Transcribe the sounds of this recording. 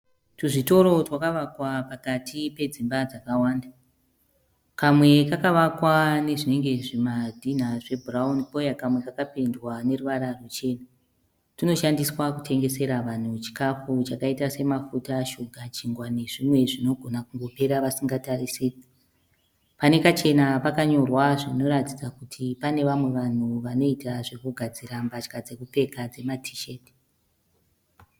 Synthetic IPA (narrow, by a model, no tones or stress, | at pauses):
tuʐito̞ɾo̞twakaʋakwapakatʰipe̞d͡zimbad͡zakawaːnda | kamwe̞kakaʋakwane̞ʐine̞ŋɡe̞ʐemadʱin̤aʐe̞bʱuraunipo̞jakamwe̞kakapendwane̞ruʋaɾarut͡ʃe̞ːna | tino̞ʃandiswakutʰe̞ŋɡese̞ɾaʋan̤ut͡ʃi̥kafut͡ʃakaitase̞mafutaʃuɡʱat͡ʃiŋɡwane̞ʐimwe̞ʐino̞ɡʱonakuŋɡo̞pe̞ɾaʋasiŋɡatarise | pane̞kat͡ʃe̞napakaɲo̞rwaʐino̞ɾatid͡zakutʰipane̞ʋamwe̞ʋan̤uʋano̞itaʐe̞kuɡʱad͡ziɾambat͡ʃkad͡zekupe̞kad͡ze̞matʰi̥ʃe̞ːt